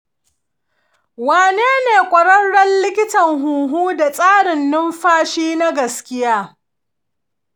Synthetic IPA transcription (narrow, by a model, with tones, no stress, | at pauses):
waː˨neː˦neː˨kʷʼɐ˨ɽɐ˦nɽɐ˦nlɪ˦kʲɪ˦tɐ˨ŋɦuː˨ɦuː˦da˨sʼaː˦ɽɪ˨nːɪ˦mɸaː˦ʃiː˦na˦ɡɐ˨skʲɪ˦jaː˦